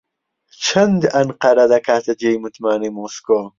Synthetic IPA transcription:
t͡ʃʰɐnd̪ɐnqɐɾɐd̪ɐkʰaːt̪ʰɐd͡ʒejmut̪maːnimoːsko

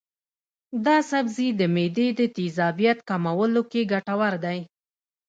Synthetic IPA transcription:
d̪ɑsabzid̪əmed̪ed̪ət̪izɑbijat̪kamawəlokeɡaʈawaɾd̪aj

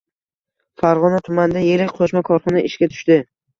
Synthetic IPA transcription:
faɾʁɒnat̪ʰʊmand̪ajeɾɪk̚ʲqʰoʃmakʰɒɾχɒnaʔɪʃkʲat̪ʰʊ̥ʃt̪ɪ

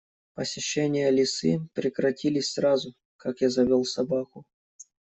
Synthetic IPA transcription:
pəsʲɪɕːenʲɪjəlʲɪsɨpɾʲɪkɾɐtʲilʲɪsʲsrazʊ | kakjazɐvʲolˠsɐbakʊ

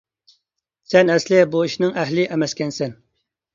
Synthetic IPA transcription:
sɛnɛslɪbuiʃnɪŋʔɛɦlɪʔɛmɛskʲɛnsɛn

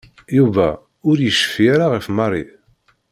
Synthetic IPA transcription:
juvæ̰ | ʊɾjəʃə̥fijaɾaʁəfmɑrˤi

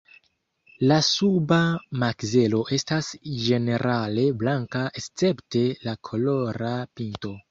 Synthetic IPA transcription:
lasubamakze̞lo̞ʔe̞stasd͡ʒe̞ne̞ɾʔale̞blaŋkaʔest͡se̞pte̞lakʰo̞lo̞ɾapinto̞

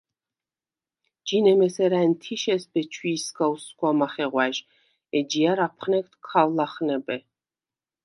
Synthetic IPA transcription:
d͡ʒinɛmɛsɛɾaɛnt̪ʰiʃɛsbɛt͡ʃʰwiːsɡauskwamaχɛʁwaʃ | ɛd͡ʒiaɾapʰχnɛk̚t̪ʰkʰawlaχnɛbɛ

